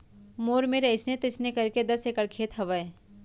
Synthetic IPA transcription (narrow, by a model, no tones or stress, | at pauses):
moːɾmẽɾɐɪsnet̪ɪsnekɐɾked̪ɐsekəɽkʰeːt̪ɦɐʋəe